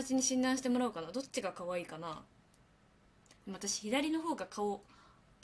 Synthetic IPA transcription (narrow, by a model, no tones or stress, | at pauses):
at͡ɕiɲ̟iɕĩnd̪ãɰ̃ɕi̥t̪e̞mo̞ɾaɯ̟kanad̪o̞t͡ɕːiɡakaβaiːkana | d̪emat̪aɕi̥çid̪aɾʲino̞ɦo̞ːɡakʰao